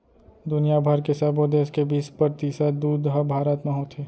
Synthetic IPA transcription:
d̪ʊnijabʱaɾkesɐbod̪eːskebiːspəɾt̪iːsad̪uːd̪ɦɐbʱaːɾət̪mẽɦot̪ʰeː

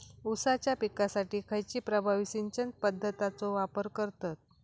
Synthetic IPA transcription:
usat͡ɕjapikasaʈiːkʰəjt͡ɕiːpɾəbʱaʋisiɲt͡ɕənt̪̚pəd̪ʱːət̪at͡soʋapəɾkəɾt̪at̪̚

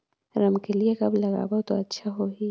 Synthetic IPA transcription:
ɾɐmkeliekɐblɐɣa̰ːbot̪oɐtːʃʰaɦoɦiː

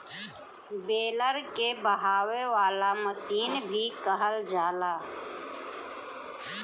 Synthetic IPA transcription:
beːləɾkebəɦaːweʋaːlaməsiːnbʱikəɦəld͡ʒaːlaː

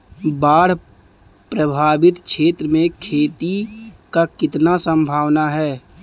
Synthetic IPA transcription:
baːɽ̤ | pɾəbʱaːbɪt̪kʃʰeːt̪ɾəmẽkʰeːt̪ikakɪt̪nasə̃mbʱaːʋnaɦɛː

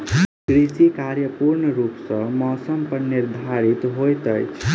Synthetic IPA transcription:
ɡ̥ɾisikaɾjʌpuɾnʌɾupsʌmʌsʌmpʌniɾd̪ʱaɾit̪ɦojt̪ʌjt͡sʰ

